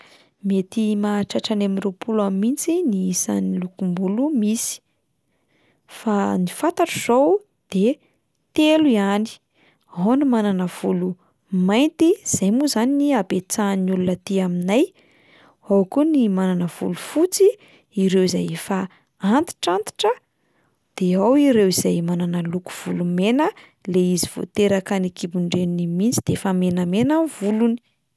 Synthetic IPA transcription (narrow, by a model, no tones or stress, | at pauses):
met̪imaʈ͡ʂaʈ͡ʂanaminrepʰulammːint͡siniisa̰nilukumbulumisi̥ | fanifant̪aʈ͡ʂuz̥ow | d̪̥e | t̪eluiani̥ | ɦonumananəv̥ulu | majnt̪iz̥ajmuzaniniabet͡sanulunət̪eaminaj | awkunimananəv̥ṵlufut͡si | iɾewiza̰jefa | ant̪i̥ʈ͡ʂant̪i̥ʈ͡ʂə | d̪̥eawiɾewizajmananəluku̥v̥ulumenə | leiziv̥o̰t̪eɾəkanikibuɳɖ͡ʐeninimint͡sid̪̥eefəmenəmenanvuluni̥